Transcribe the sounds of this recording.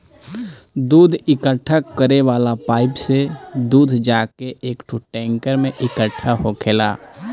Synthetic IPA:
d̪uːd̪ʱɪkəʈʰːakəɾeʋaːlapaːɪpsed̪uːd̪ʱd͡ʒaːkeʔeːkʈʰuʈɛ̃ːŋkəɾmẽʔɪkəʈʰːaɦokʰeːla̰ː

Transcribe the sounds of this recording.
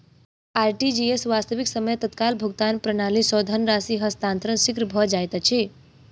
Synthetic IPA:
aɾʈid͡ʒiesʋast̪əʋiksəməjt̪ət̪kalbʱuɡt̪anpɾənaːlisɔd̪ʱənɾasiɦəst̪aːnt̪ɾənsikɾəbʱɔd͡ʒajt̪t͡ʃʰi

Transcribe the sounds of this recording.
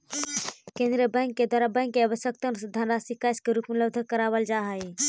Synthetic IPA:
kẽnd̪ɾiəbə̃ŋɡked̪waɾabə̃ŋkkːeabəʃjəkt̪əɾsud̪ʱːanɾasikaskeɾupmuləbd̪ʱəkəɾaʋəld͡ʒaɦəj

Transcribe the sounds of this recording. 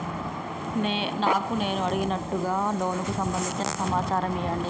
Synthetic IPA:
naːkune̞ːnuɐɽiɡinɐʈːuɡaːloːnukusɐmbɐnd̪iɲt͡ʃinɐ̰sɐmaːt͡ʃaːɾɐmijɐɳɖi

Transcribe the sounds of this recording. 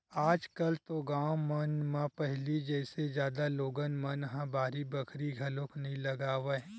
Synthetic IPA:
aːd͡ʒkɐlt̪oɡaːwmənmãpɛɦlid͡ʒɛːsed͡ʒjaːd̪aloːɡənmɐnɦãbaːɾibɐkʰɾiɡʱɐlõkʰnɐɦĩlɐɡaːʋe

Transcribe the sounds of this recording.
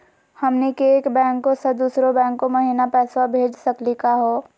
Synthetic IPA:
hɐmnekeeːkbɛ̃ːŋkːosɐd̪uːsɾobɛ̃ːŋkːomɐɦiːnapɛːswabʱeːd͡ʒsɐklikaɦoː

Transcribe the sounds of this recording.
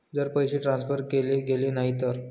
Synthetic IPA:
d͡zəɾpəjɕeʈɾãnsfəɾkeleɡelenaɦit̪əɾ

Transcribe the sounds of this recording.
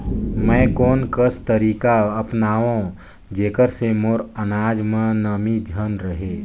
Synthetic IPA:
mɛ̃ːkɔːnkəst̪əɾiːkaəpnaːʋõ | d͡ʒeːkəɾsemoːɾənaːd͡ʒmẽnəmid͡ʒʱənɾəɦeː

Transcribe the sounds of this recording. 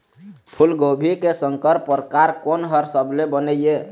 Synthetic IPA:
pʰulɡobʱikesəŋkəɾpəɾkaɾkonɦəɾsəbʱlebənəjje

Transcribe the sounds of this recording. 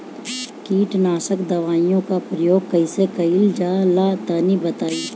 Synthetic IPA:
kiːʈnaːʃəkd̪ɐʋaːijõkapɾɐjoːɡ̚kɐisekɐɪld͡ʒaːlat̪aːnibət̪aːiː

